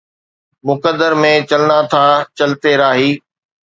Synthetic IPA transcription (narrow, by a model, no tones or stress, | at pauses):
mʊkəd̪əɾmẽt͡ɕɐlɪnat̪ʰat͡ɕɐlɪt̪eɾaːɦiː